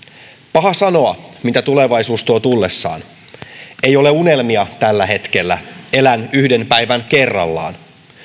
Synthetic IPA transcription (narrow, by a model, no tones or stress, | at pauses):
pɑɦɑsɑno̞ɑmit̪æt̪ule̞ʋɑjsuːst̪uot̪ulːe̞sːɑ̰ːn | e̞jo̞le̞une̞lmiɑt̪ælːæɦe̞t̪ke̞lːæ̰e̞lænyhde̞npæjʋænke̞rːɑ̰lːɑ̰ːn